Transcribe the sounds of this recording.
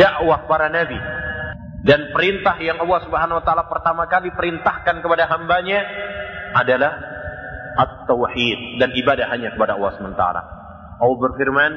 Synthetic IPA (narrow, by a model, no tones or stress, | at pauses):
daʔwahpaɾanabi | danpəɾint̪ahjaŋɑlˠːɑhsubəɦanawat̪aʔalapərt̪amakalipəɾint̪ahkankəpadaɦambaɲa | adalah | ʔat̪ːawħit̪̚danibadahɦaɲakəpadaɑ̰lˠːɑhsəmənt̪a̰ɾa̰ | ʔawbərfirman